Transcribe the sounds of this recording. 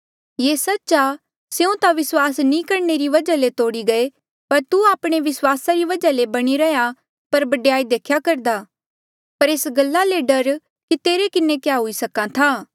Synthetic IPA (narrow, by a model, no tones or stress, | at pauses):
jeːsɐtːʃa | seũt̪aʋɪswaːsnĩkɐɾneɾiʋɐd͡ʒalet̪oːɽiɡɐe | pɐɾt̪uaːpɽ̃eʋɪswaːsaɾiʋɐd͡ʒalebɐɽ̃iɾɐja | pɐɾbɐɖjaːid̪eːkʰjakɐɾd̪aː | pɐɾeːsɡɐlːaleɖɐɾ | kit̪eːɾekɪnẽkjaɦʊisɐkãt̪ʰaː